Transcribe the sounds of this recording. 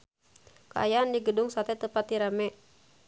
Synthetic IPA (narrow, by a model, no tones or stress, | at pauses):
kaajaandiɡədʊŋsat̪ɛt̪əpat̪iɾamɛ